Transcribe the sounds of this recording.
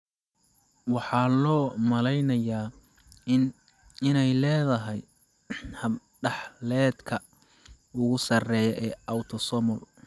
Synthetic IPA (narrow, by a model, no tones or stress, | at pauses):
wɑħɑːlɔːmɐlɛjnɐjaː | n | ɪnɛjlɛːðɐɦɛj | hɐb | ɖɑħlɛːd̪kʰɐ | ʊɣʊsɐrɛːjɔʔɛːawt̪ʰɔsɔmɔl